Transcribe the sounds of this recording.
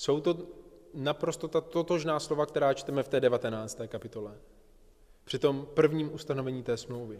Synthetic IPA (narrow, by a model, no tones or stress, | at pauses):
so̞wt̪o̞napɾo̞st̪o̞t̪at̪o̞t̪oʒnaːslo̞vak̚t̪ɛɾaːt͡ʃt̪ɛmɛft̪ɛːdɛvat̪ɛnaːt͡st̪ɛːkapɪt̪o̞lɛ | pr̥ɪt̪o̞mpr̩vɲiːmʔust̪ano̞vɛɲiːt̪ɛːsmlo̞wvɪ